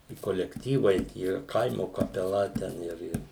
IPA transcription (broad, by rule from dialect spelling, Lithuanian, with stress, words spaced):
ɪ koːlʲɛkˈtʲiːʋɐɪ ˈtʲiɛ ˈkɐɪmoː kɐpʲɛˈlˠɐ ˈtʲɛn ˈɪr ˈɪr